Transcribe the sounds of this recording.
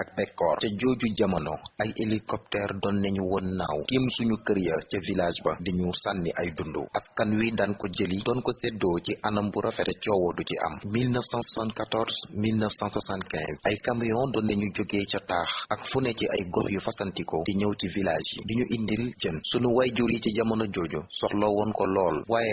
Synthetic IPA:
ɐk̚bɛkːɔːrcɐɟoːɟuɟɐmɐnɔ̰ɐjelikɔp̚tɛːrdɔnːɛɲuwɔnːawkimsuɲukəɾjɐcɐvilaːʒbɐdiɲusanːiʔɐjdundṵʔɐskɐnwidɐnkɔɟəlidɔnkɔsɛdɔːciʔɐnɐmbuɾʔɐfɛɾɛcɔwɔduciʔɐ̰mmilnəfsãnsasãntkatɔɾzmilnəfsãnswasãntkɛ̰̃zɐjkampijɔ̃ndɔnːɛɲuɟoɡeːcɐtaːxɐkfunɛciʔɐ̰jɡɔxjufɐsɐntikɔdiɲɐwcivilaːʒjḭdiɲuʔindilɟənsunuwɐjɟuɾiciɟɐmɐnɐɟoɟusɔxlɔwɔnkɔlɔːlwaːjɛ

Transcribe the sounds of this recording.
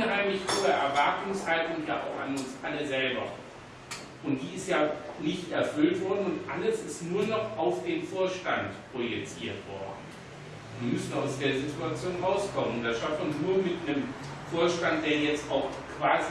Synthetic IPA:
nɦaɪmlɪçhoːəʔɛɐvaɐtʊŋshaltʊŋjaːʔa̰ʊxa̰nʊnsʔaləzɛlbɐ̰ | ʔʊnt̚d̥iːɪstjaːnɪçtɛɐfʏltv̥ɔɐdn̩ʊntʔaləsɪstnuːɐnɔχʔaʊfd̥eːmfoːɐʃtantpʁ̥ojɛt͡siːɐtv̥ɔ̰ɐdn̩ | iːmʏsn̩aʊsd̥eːɐzitʰuat͡sjoːnʁaʊskʰɔmənʊntd̥asʃaftmɐnuːɐmɪtnəm | foːɐʃtant̚d̥eːɐjɛt͡stʔaʊx | kv̥aːzi

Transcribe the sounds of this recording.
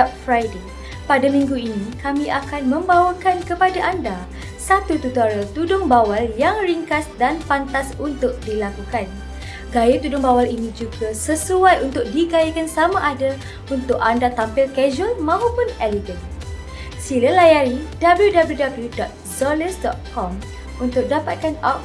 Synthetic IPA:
ɔt̚fɾajde | padamĩŋɡuinĩkamĩʔakanmə̃mbawakankəpadaʔanda | sat̪ut̪ut̪aɾat̪udʊŋbawaljaŋriŋkasdanfant̪asunt̪ʊk̚dilakukan | ɡajat̪udʊŋbawalinĩd͡ʒuɡasəsuajunt̪ʊk̚diɡajikansamãʔada | unt̪ʊkandat̪ampɪlkɛd͡ʒɔlmãɦupʊnɛliɡən | siləlajaɾidabljudabəljudabəljudɔt̪̚zɔləsdɔ̰t̪̚kɔm | unt̪ʊk̚dapat̪̚kanɔk̚

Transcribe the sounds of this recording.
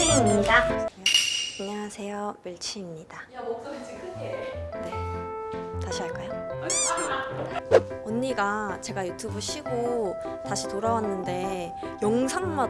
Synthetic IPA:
iimɲida | kaŋʌŋɦasʰe̞jomɯɭt͡ɕʰimɲid̥a | ene̞ | taɕʰiɦaɭk͈ajo | ʌnːiɡat͡ɕe̞ɡajutʰubɯɭɕ͈ʰiɡo | taɕʰitoɾawanːɯnde̞ | jʌŋsʰaŋma

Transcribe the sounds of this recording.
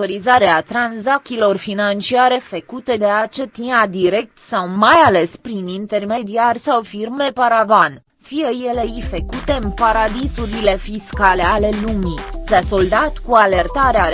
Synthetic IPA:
oɾizaɾeat̪ɾanzak̚t̪ilo̞rfinant͡ʃiaɾe̞fəkut̪e̞d̪eat͡ʃet̪inad̪iɾe̞k̚t̪sawmajale̞spɾinint̪e̞rme̞d̪iarʲsawfirme̞paɾavan | fijeje̞leifekut̪e̞npaɾad̪isuɾile̞fiskale̞ale̞lumisaso̞ld̪at̪kuale̞rt̪aɾeaɾ

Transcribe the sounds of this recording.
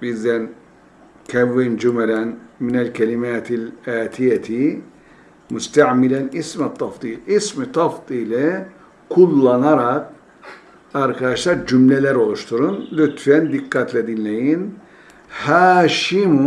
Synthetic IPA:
bizd̪æn | cʰɛvːind͡ʒumɛlænminælʲcʰɛlʲimæːt̪ʰilʲaːt̪ʰijɛt̪ʰi | must̪ʰaʕmilænismæt̪ʰːɑfd̪iːlʲismit̪ʰɑfd̪iːlʲɯ | kʰulˠːanaɾak̚ | aɾkʰad̪aʃlˠaɾd͡ʒymlelʲæɾo̞lˠuʃt̪ʰuɾunlʲyt̪fænd̪ikːat̪lʲɛd̪inlʲejin | haːʃimu

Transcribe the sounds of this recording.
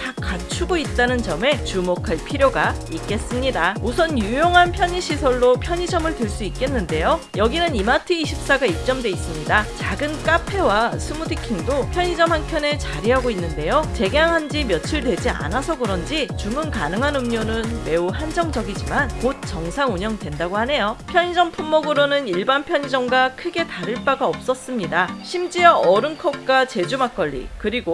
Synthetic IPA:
tak͈at͡ɕʰuɡoit̚t͈anɯnt͡ɕʌme̞t͡ɕumokʰaɭpʰiɾjoɡaik̚k͈e̞s͈ɯmɲidaosʰʌnjujoŋɦanpʰjʌɲiɕʰisʰʌɭːopʰjʌɲid͡ʑʌmɯɭdɯɭs͈uik͈e̞nːɯnde̞jojʌɡinɯnimatʰɯiɕʰip̚s͈aɡaik̚t͡ɕ͈ʌmdwe̞is͈ɯmɲidat͡ɕaɡɯnk͈apʰe̞wasʰumudikʰiŋdopʰjʌɲid͡ʑʌmɦaŋkʰjʌne̞t͡ɕaɾiɦaɡoinːɯnde̞jot͡ɕe̞ɡeaŋɦand͡ʑimjʌt͡ɕʰɯɭdwe̞d͡ʑia̰nasʰʌɡɯɾʌnd͡ʑit͡ɕumɯnkanɯŋɦanɯmɲonɯnme̞uhand͡ʑʌŋd͡ʑʌɡid͡ʑimankot̚t͡ɕ͈ʌŋsʰaŋuɲʌŋdwe̞ndaɡohane̞jopʰjʌɲid͡ʑʌmpʰumːoɡɯɾonɯniɭbanpʰjʌɲid͡ʑʌŋɡakʰɯɡe̞taɾɯɭp͈aɡaʌp̚s͈ʌs͈ɯmɲidaɕʰimd͡ʑiʌʌɾɯnkʰʌk̚k͈at͡ɕe̞d͡ʑumak͈ʌʎːḭkɯɾiɡo

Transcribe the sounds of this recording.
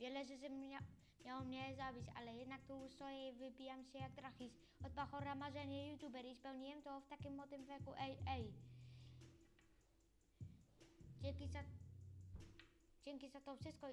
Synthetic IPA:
vʲjɛlɛʐɛsɛm | mjawɔmɲɛzabʲit͡ɕa̰lɛjɛd̪nak̚t̪ɔusɔjɛvɘbʲijamɕɛjaɡ̚d̪ɾaxis | ɔd̪̚baxɔɾamaʐɛɲɛjut̪jubɛɾispɛwɲijɛmt̪ɔft̪akʲimːɔt̪ɪmvʲɛkuʔɛɛj | d͡ʑɛkiza | d͡ʑɛŋkʲizat̪ɔfʂɪst̪̚kɔ

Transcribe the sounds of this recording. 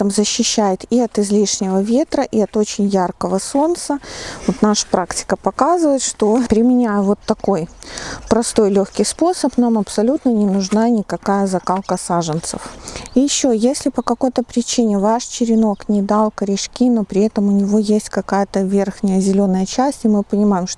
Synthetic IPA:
əmzəɕːɪɕːæjɪt̪iɐt̪ɪzlʲiʂnʲɪvəvʲe̞t̪ɾəʔiɐt̪o̞t͡ɕɪnʲjarkəvəso̞nt̪səvo̞t̪naʂə̥pɾaktʲɪ̥kəpɐkazɨvəɪt̪ʂt̪o̞pɾʲɪmʲɪnʲæjəvo̞t̪ːɐko̞jpɾɐst̪o̞jlʲoxkʲɪjspo̞səpnamɐpsɐlʲut̪nənʲɪnʊʐnanʲɪkɐkajəzɐkalˠkəsaʐɨnt̪sə̰fjɪɕːojesʲlʲɪpəkɐko̞jt̪əpɾʲɪt͡ɕinʲɪvaʂt͡ɕɪɾʲɪno̞knʲɪd̪alˠkəɾʲɪʂkʲinopɾʲɪɛt̪əmʊnʲɪvo̞jesʲtʲkɐkajət̪əvʲerxnʲɪjəzʲɪlʲonːəjət͡ɕæsʲtʲɪmɨpənʲɪmajɪmʂ

